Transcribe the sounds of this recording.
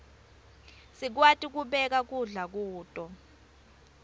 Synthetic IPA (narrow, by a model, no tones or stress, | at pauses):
sik̬watʼik̬uɓɛk̬ak̬uɮak̬uːtʼɔ